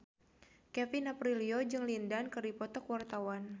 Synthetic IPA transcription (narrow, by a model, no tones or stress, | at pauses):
kɛfinapɾiliod͡ʒɨŋlindankɨripɔt̪ɔkwart̪awan